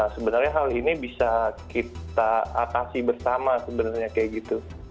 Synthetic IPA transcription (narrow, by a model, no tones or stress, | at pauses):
səbənərɲaɦalinibisakit̪aat̪asibərsamasəbənərɲakajaʔɡit̪u